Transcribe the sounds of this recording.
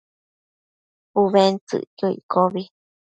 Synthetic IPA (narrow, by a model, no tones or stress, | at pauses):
uβent͡sɨ̰ʔjoḭkoβi